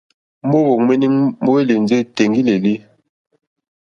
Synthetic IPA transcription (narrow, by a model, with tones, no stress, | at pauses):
mo˦bo˨ŋme˦ni˦ŋmo˦we˦li˨n˦d͡ze˦te˨ŋɡi˦le˨li˦